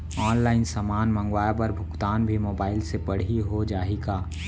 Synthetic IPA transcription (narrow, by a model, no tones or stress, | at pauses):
ɔːnlaːɪnsəmaːnmə̃ŋɡwaːjapɐɾbʱʊkt̪aːnbʱimoːbaːɪlsepɐɽ̤iɦod͡ʒaːeɡaː